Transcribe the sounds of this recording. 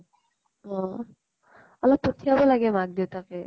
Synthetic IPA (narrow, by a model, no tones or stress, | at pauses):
ɔ̃ | ɔlɔp̚pːot̪ʰiabɔlaɡɛmak̚d̪it̪akɛ